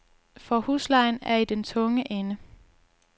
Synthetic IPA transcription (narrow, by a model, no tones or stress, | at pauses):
fɒ̽huːslɑ̈ɪnæɐid̥ent͡sʰɔ̽ŋəʔenə